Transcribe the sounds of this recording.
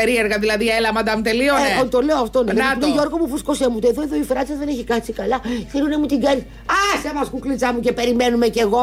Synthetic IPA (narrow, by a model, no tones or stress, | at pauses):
eɾieɾɣɐðilɐðielɐmɐd̪ɐmut̪elioot̪ole̞oɐft̪oneoʝo̞ɾɣomuvɾisko̞semut̪oeðoeðoifɾɐt͡sɐzðe̞neçikɐt͡sikɐlɐθeɾunemut̪iɡɐnis | ɐsemɐskuklit͡sɐmuce̞pe̞ɾimenumece̞ɣo